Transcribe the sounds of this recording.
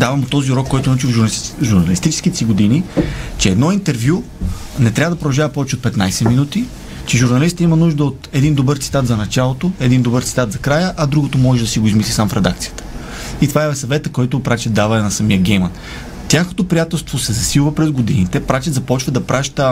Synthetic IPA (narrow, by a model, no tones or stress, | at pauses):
d̪avɐmot̪ːɔziuɾɔkːɔjt̪oʊnot͡ʃiʒuɾnɐlist̪it͡ʃɛ̥skʲit̪ɛsiɡod̪init͡ʃɛːd̪nɔint̪ɛɾvju | nɛt̪ɾʲavəd̪ɐpɾod̪ɐʒavɐpɔvɛt͡ʃɛot̪pɛt̪najsɛminut̪i | t͡ʃɛʒuɾnɐlist̪imɐnuʒd̪əot̪ɛd̪ind̪obəɾt̪si̥t̪at̪zɐnɐt͡ʃalˠot̪oɛd̪ind̪obəɾt̪si̥t̪at̪zɐkɾajəʔɐd̪ɾuɡot̪omɔʒɛd̪ɐsiɡoizmislisamfɾɛd̪a̰k̚t̪sijə̥t̪ə̥ | it̪ovaɛsɐvɛt̪əkɔjt̪ʊpɾat͡ʃɛd̪avɐɛnɐsɐmiəɡɛjmɐn | t̪ʲjaxnot̪opɾijat̪ɛlˠst̪vosɛzɐsilˠvəpɾɛzɡod̪init̪ɛpɾat͡ʃɛt̪zɐpɔt͡ʃvəd̪ɐpɾaʃt̪ə